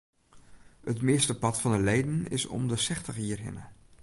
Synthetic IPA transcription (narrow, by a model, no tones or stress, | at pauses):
ətmɪəstəpɑtfɑndəlejdənɪ̰sɔ̰mdəsɛxtəχiːrɦɪ̰nə